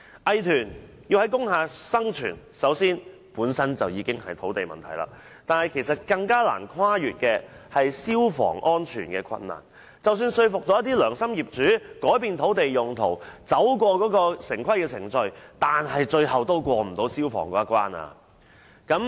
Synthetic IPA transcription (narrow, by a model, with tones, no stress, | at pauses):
ʔɐ˨jt̪ʰyː˨˩n | jiː˧whɐ˨˥jkʊ˥ŋɦaː˧sɐ˥ŋt͡ʃʰy̰ː˨˩nsɐ˨˥wsiː˥n | puː˨˥nsɐ˥nt͡sɐ˨wjiː˨˧kɪ˥ŋhɐ˨jt̪ʰo˨˥wt̪e˨jmɐ̰˨˩nt̪ʰɐ˨˩jla̰ː˨˩ | t̪aː˨˩nhɐ˨˩jkʰe˨˩js̬ɐ˨t̚kɐ˧ŋkaː˥la̰ː˨˩nkʰwaː˥jyː˨t̚kɛː˧hɐ˨jsiː˥wfɔ̰ː˨˩ŋʔɔː˥nt͡ʃʰy̰ː˨˩nkɛː˧kʰɐ̰˧nna̰ː˨˩n | t͡sɐ˨wsyː˧nsɵ˧ɥfʊ˨k̚t̪o˨˥jɐ˥t̪iː˥lœː˨˩ŋsɐ˥mjiː˨˩p̚t͡ʃyː˨˥kɔː˨˥jpiː˨˧nt̪ʰo˨˥wt̪e˨jʊ˨ŋt̪ʰo̰˨˩wt͡sɐ˨˥wk̬wɔː˧kɔː˨˥kɔː˧sɪ˨˩ŋkʰɐ˥jkɛː˧t͡sʰɪ˨˩ŋt͡sɵ˧ɥt̪aː˨nɦɐ˨jt͡ʃɵ˧ɥhɐ˨wt̪o˥wkʷɔː˧m̩˨˩t̪o˨˥wsiː˥wfɔ̰ː˨˩ŋkɔː˨˥ɐ˥kʷa̰ː˥na̰ː˧ | kɐ˨˥m